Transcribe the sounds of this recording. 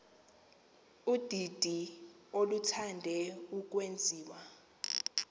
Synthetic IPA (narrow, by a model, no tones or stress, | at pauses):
ud̥ʱid̥ʱi | olutʰandʱɛuk̬wend͡zʱiːwa